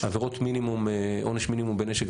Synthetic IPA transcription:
aveʁot̪minimumʔoneʃminimumbeneʃek

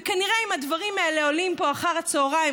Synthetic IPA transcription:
kaniʁeimad̪vaʁimaele̞o̞limpo̞aχaʁhat͡soːʁai

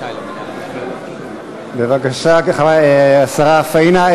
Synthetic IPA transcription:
bevakaʃakaχavajeasaʁafaina

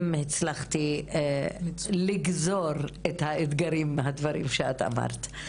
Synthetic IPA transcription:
mhet͡slaχt̪i | liɡzoʁethaed̪ɡaɾimːeɦadvaɾimʃeata̰ma̰ʁt̪

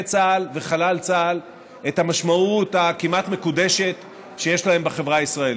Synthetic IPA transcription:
t͡salveχalalt͡sal | e̞thamaʃmaut̪akimat̪me̞kude̞ʃe̞t | ʃe̞jeʃlae̞mbeχevʁaisʁael

